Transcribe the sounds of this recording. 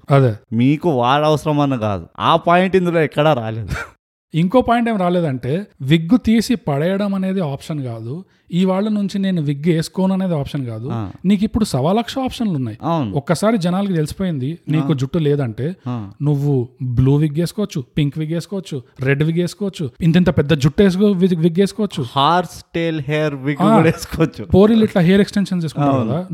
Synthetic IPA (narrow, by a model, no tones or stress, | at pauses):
ɐd̪eːmiːkuʋaːɭɐʋɐsɐɾɐmɐnɐɡa̰ːd̪ua̰ːpaːjiɳʈind̪uloːikːɐɽaːɾa̰ːleːd̪u | iŋko̞ːpaːjiɳʈeːmɾaːle̞ːd̪ɐɳʈe̞ːʋiɡːut̪iːsipɐɽɛjɐɽɐmɐne̞ːd̪iaːpʂɐnkaːd̪u | iʋaːɭːɐnuɲt͡ʃine̞ːnuʋiɡːe̞ːsu̥koːnuɐne̞ːd̪iaːpʂɐnkaːd̪uniːk̬ipːuɽusɐʋaːlɐkʂɐaːpʂɐnlunːaːjiɐwnɔkːɐsaːɾid͡ʒɛnaːlɐk̬it̪̬elisi̥poːjind̪iniːkud͡ʒuʈːuleːd̪ɐɳʈe̞ːnuʋːubluːʋiɡe̞ːsukɔʋɐt͡ʃːupiŋkʋiɡe̞ːsukɔːʋɐt͡ʃːuɾeɖʋiɡe̞ːsu̥kɔːʋɐt͡ʃːuint̪int̪ɐpɛd̪ːɐd͡ʒuʈːeːs̬ʋiɡeːsukɔːʋɐt͡ʃːuhaːɾsʈeːlɦeːɾʋiɡaːeːsu̥kɔʋɐt͡ʃːupo̞ːɾiliʈlɐɦeːɐɾeksʈenʂɐnt͡ʃe̞ːsukuɳʈaːɾkɐd̪aː